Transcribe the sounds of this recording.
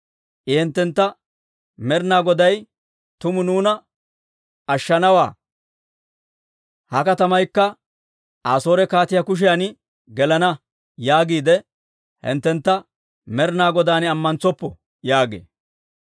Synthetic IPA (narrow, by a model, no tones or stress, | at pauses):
ʔɪhɛnt̪ːɛnt̪ːɐ | mɛɾnaːɡɔd̪ɐj | t̪ʊmʊnuːnɐ | ɐʃːɐnɐwaː | hɐkɐt̪ɐmɐjkːɐ | ʔaːso̞ːɾɛkaːt̪ɪjɐkʊʃ̬ɪjan | ɡɛlɐnɐ | jaːɡiːd̪ɛ | hɪ̰nt̪ːɛnt̪ːɐ | mɛɾnaːɡɔd̪aːnɪɐmːɐnt͡sɔpːɔ | jaːɡḛː